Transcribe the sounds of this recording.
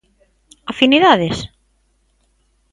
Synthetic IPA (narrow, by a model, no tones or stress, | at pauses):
afiniðaðes